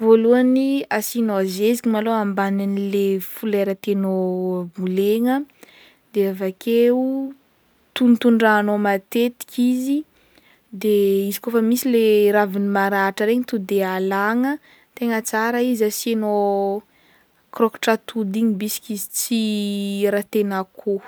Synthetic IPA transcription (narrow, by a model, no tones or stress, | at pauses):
voluaniasinoazezikʲimaloambananilefuleɾət̪enobuleŋə | d̪eavakʰeu | t̪unt̪uɳɖ͡ʐaːnomat̪et̪i̥kʲizi | d̪eizi̥kofəmisileɾavinimaɾaʈ͡ʂəɾeɲət̪ud̪ealaŋə | t̪eŋət͡saɾaizaseno | krokʈ͡ʂat̪ud̪iŋibisi̥kʲizit͡siɾat̪enakʰu